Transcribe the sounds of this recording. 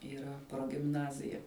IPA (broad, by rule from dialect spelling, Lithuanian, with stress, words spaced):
iːˈrɐ proːɡʲɪmˈnɑːzʲɪjɛ